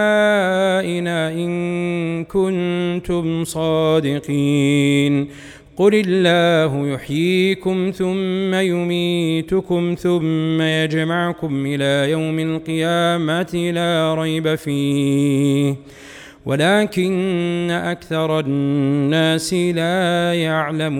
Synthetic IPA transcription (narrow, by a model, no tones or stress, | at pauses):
a | ʔɪnaːʔɪnkʊnt̪ʊmsˤɑːd̪ɪqiːn | qʊlɪlːaːɦʊjʊħjiːkʊmθʊmːajʊmiːt̪ʊkʊmθʊmːajad͡ʒmaʕkʊmʔɪlaːjawmalqɨjaːmat̪ɪlaːɾˤɑjbafiː | h | wa̰laːkɪnːaʔakθɑɾˤɑnːaːsɪlaːjaʕlamː